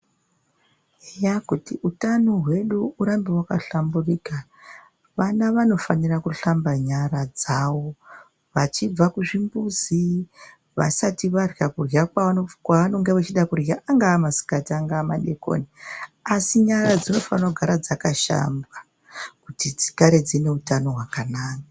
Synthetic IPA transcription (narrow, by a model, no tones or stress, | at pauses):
ejakutiʔutanoɦwe̞ɗuuɾambiwakaɬamburika | ʋanaʋano̞fanirakuɬambaɲaɾad͡zawo̞ | ʋat͡ʃib͡vakuʐimbuzi | ʋa̰satiʋarjakurakwaaokwaʋano̞ŋɡeʋat͡ʃiɗakuraʔaŋɡaːmasi̥katiaŋɡaːmaɗeko̰niasiɲaɾad͡zino̞fanrakuɡʱaɾad͡zakaʃa̰mbwa | kutid͡zikaɾed͡zine̞utano̞ɦwakanaːka